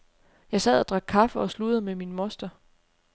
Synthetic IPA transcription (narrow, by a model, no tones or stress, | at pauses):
jɑ̈ɪsɛð̰ˠæd̥ʁɑ̈ɡ̥̚kʰɑ̈fəɒ̽slud̥̪ð̩ˠmeminmɔ̽sd̥ɐ